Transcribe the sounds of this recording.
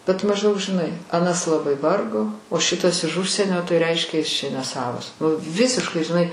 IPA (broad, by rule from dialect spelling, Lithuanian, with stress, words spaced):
bʲɛt mɐʒˈdɐʊk ʒʲɪˈnɐɪ ɐˈnɐs lˠɐˈbɐɪ ˈʋɐrɡoː oː ˈʃʲɪtɐs ɪʃ ˈʊʃʲsʲiɛnʲoː tɐɪ ˈrʲɛɪʃʲkʲɛ jɪs t͡ʃʲɛ ˈnʲæːsɐʋɐs ʊ ˈʋʲɪsʲɪʃkɐɪ ʒʲɪˈnɐɪ